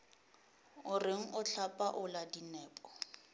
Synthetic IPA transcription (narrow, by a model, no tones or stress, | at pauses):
ʊrɪŋ̩ʔʊt͡ɬʰapʼaʔʊladinɛːpʼɔ